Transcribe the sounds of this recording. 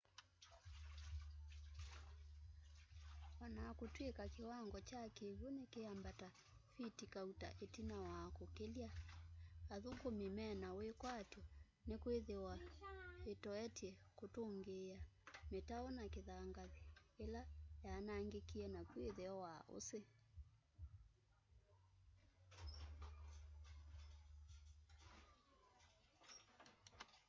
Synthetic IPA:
wanakotwekakewaŋɡɔt͡ʃakeβonekeambata | fitikauta̰ʔetinawakokelja | aðukomimɛnawekwatɔ | nekweðewa | etɔɛtiɛkotoŋɡeametaɔnakeðaŋɡaðelajanaŋɡekiɛnakweðeɔwaʔo̰se

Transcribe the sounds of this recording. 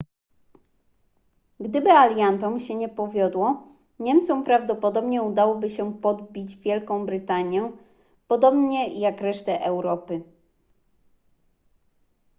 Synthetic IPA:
ɡd̪ɘbɘalʲjant̪ɔmɕɛɲɛpɔvʲjɔd̪wɔ | ɲɛmt̪sɔmpɾavd̪ɔpɔd̪ɔbɲɛud̪awɔbɘɕɛpɔd̪bʲid͡ʑvʲjɛlkɔ̃w̃bɾɘt̪aɲjɛ | pɔd̪ɔbɲɛjakɾɛʂt̪ɛʔɛwɾɔpɘ

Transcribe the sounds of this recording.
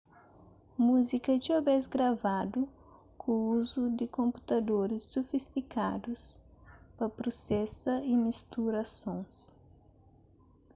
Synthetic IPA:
muzikɐd͡ʒiobɛzɡɾavad̪ʊ | kʰõuzʊd̪ɪkõmpu̥t̪ad̪oɾɪsːofist̪ikad̪ʊspɐpɾosɛsɐɪmist̪uɾasõw̃s

